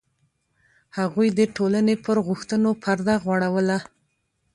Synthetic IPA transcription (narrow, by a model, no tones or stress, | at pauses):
haɣujd̪əʈolanepəɾɣʊxt̪ənopʰaɾd̪aɣwaɽawəla